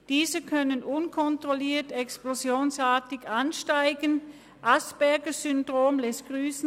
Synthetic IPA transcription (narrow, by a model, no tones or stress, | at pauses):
d̥iːzəkʰœnənʔʊnkʰɔntʁ̥oliːɐtɛksplozjoːnsaːtɪɡanʃtaɪɡən | ʔasb̥ɛɐɡəzʏndʁoːmlɛst̚ɡ̥ʁyːsn̩